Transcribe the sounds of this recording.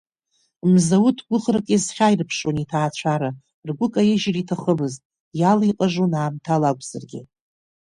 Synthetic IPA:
mzawʊtʰɡʷʊχrakʼezχʲajrpʰʂonitʰaːt͡ɕʷʰaɾa | rɡʷʊkʼajeʒritʰaχəmɨztʼ | jaliqʼaʐonaːmtʰalakʷʼz̥arɡʲɪ

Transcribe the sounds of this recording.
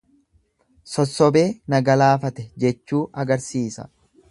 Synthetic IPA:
sɔsːɔbe̞ːnɐɡɐlaːfɐt̪ɛd͡ʒɛt͡ʃːuːʔɐɡɐɾsiːsɐ̰

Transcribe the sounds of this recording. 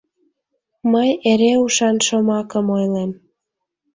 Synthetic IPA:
məjeɾeuʃɑnʃə̆mɑkəmojlem

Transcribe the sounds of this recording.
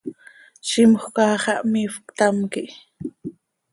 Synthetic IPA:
ʃɪmoχkɑːχɑʔmifkt̪amkɪ

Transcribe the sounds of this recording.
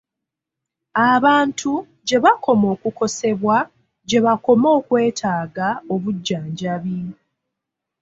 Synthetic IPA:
aβaːntʰu | ɟe̞βakʰo̞mo̞ːkuko̞se̞βwa | ɟe̞βako̞mo̞ːkwe̞ːtʰaːɡao̞βuɟːaːɲɟaβi

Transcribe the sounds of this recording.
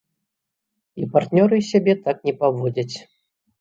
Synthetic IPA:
ipart̪nʲɔɾɨsʲabʲɛt̪aknʲɛpavɔd͡zʲɐt͡sʲ

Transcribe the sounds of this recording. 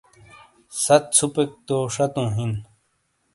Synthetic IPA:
sɐt̪̚t͡sʰupek̚t̪oʂɐt̪ũːɦin

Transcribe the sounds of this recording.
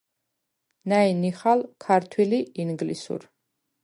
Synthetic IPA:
nainiχalkʰaɾt̪ʰwiliiŋɡlisṵɾ

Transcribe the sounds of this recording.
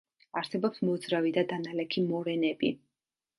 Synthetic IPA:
aɾsɛbɔpsmɔd̪zɾavid̪ad̪analɛkʰimɔɾɛnɛbḭ

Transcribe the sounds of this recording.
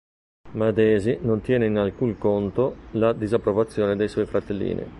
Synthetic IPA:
mad̪ɛːzinont̪jɛːneinalkuŋkont̪olad̪izapːɾovat̪sːjoːned̪ejswɔːjfɾat̪ːelːḭːnʔḭ

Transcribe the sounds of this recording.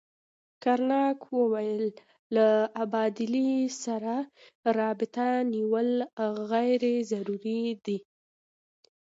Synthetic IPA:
kaɾnɑkwəwajəlː | aabɑd̪ɪlisaɾa | ɾɑbɪt̪aniwəlɣajɾezaɾuɾid̪i

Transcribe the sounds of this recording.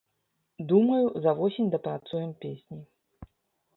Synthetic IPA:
d̪umɐjuzɐvɔsʲinʲd̪ɐpɾat̪sujɛmpʲesʲnʲi

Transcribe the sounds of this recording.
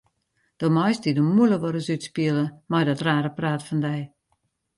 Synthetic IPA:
d̥omɔjsdidəmuləʋoɾəsytspiələmajdɔtraːɾəpraːtfɔndɛj

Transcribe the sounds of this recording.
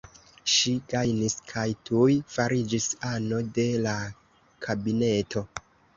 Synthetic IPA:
ʃiɡajniskʰajtʰujfaɾid͡ʒisano̞de̞la | kʰabine̞tʰo̞

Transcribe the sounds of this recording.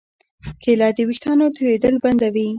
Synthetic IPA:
kʰelɑd̪iwixt̪ɑnot̪uwed̪əlband̪awi

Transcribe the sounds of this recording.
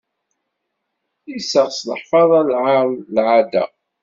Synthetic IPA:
isəʁslə̰ħfɑðˤɑlʕaðlʕad̪æ̰

